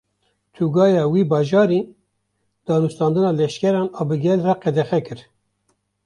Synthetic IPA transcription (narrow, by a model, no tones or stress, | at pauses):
t̪ʰuɡɑːjɑːwiːbɑːʒɑːɾiː | d̪̥ɑːnust̪ɑːnd̪ɨnɑːlɛʃkʲɛɾɑːnɑːbɨɡɛlrɛqɛd̪ɛxɛkɨɾ